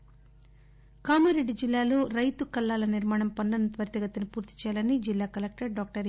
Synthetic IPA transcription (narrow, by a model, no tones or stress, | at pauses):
kaːmɐɾeɖːid͡ʒilːaːlo̞ːɾɐjt̪ukɐlːaːlɐniɾmaːɳɐmpɐɳɖɐnɐnt̪ʋɐɾt̪ɐɡɐt̪ːinipuːɾt̪i̥t͡ʃɛːjalɐnːid͡ʒilːaːkɐlek̚ʈɐɾɖaːk̚ʈɐɾ